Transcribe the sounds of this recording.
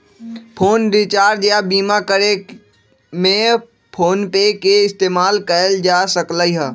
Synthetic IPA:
pʰoːnd̪iːt͡ʃaːɾd͡ʒjabiːmakəɾe | mẽ | pʰoːnpeːkeɪst̪eːmaːlkɐəld͡ʒaːsəklaiɦɛː

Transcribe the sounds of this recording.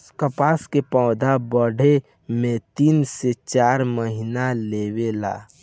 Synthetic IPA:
kəpaːskepɔ̃ːd̪abəɽ̤ʱe | mẽt̪iːnset͡ʃaːɾməɦinaleːwela̰ː

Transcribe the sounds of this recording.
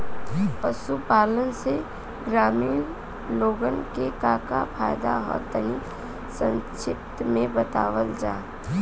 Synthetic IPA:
pəʃupaːlənse | ɡɾaːmiːn | loːɡənkekaka̰pʰa̰ːjd̪a̰ɦɔ̰t̪əni | sə̃nt͡ʃʰɪp̚t̪mẽbət̪a̰ːʋəld͡ʒa̰ː

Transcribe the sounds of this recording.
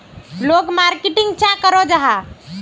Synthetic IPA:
loɡmaɾkiʈiŋɡt͡ʃãkəɾod͡ʒaɦa

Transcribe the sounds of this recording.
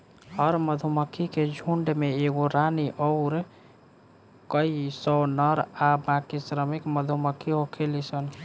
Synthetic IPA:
həɾməd̪ʱuməkʰiked͡ʒʱuɳɖmeeɡoɾaniʔɔɾ | kəisɔnəɾabãkisɾəmikməd̪ʱuməkʰːiɦokʰelisən

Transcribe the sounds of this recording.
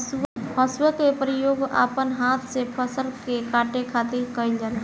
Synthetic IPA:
spʰəswəkepɾijoːɡa̰pənɦat̪ʰsepʰəsəɾkekaʈekʰat̪iɾkəjld͡ʒal

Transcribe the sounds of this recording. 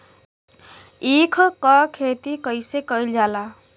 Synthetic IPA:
ikʰkəkʰet̪ikəɪsekəild͡ʒaːla

